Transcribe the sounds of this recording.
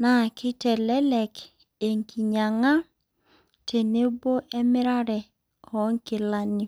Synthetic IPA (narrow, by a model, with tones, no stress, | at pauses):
na˨kɪ˦tɛ˨lɛ˦lɛ˨k | e˨ŋki˨ɲa˨ŋa˦ | tʰe˨ne˦bo˦ʔɛ˦mɪ˦ɾa˦ɾɛ˨ | ɔ˨˦ŋ˦kɪ˨la˦nɪ˦